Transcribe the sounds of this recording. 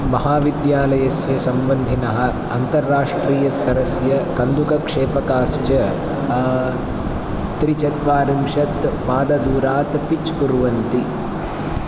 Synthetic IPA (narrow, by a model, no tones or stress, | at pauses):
mɐɦaːʋid̪jaːlɐjɐsjɐsɐmbɐnd̪ʱinɐɦɐ̆ | ɐnt̪ɐɾːaːʂʈɾiːjɐst̪ʰɐɾɐsjɐkɐnd̪ukɐkʂeːpɐkaːst͡ʃɐ | t̪ɾit͡ʃɐt̪ʋaːɾɐmʃɐt̪maːd̪ɐd̪uːɾaːt̪pit͡ʃpuɾʋɐnt̪i